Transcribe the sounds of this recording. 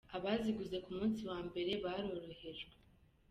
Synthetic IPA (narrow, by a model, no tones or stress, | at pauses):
aβaziɡuze̞kumuːnsiwaːmbe̞ɾe̞βaɾo̞ɾo̞he̞ʒɡwee